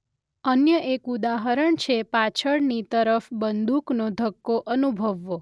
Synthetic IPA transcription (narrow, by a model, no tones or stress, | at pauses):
ənjəʔekud̪aɦəɾəɳt͡ʃʰepat͡ʃʰəɽnit̪əɾəfbənd̪uknod̪ʱəkːoʔənubʱəʋːo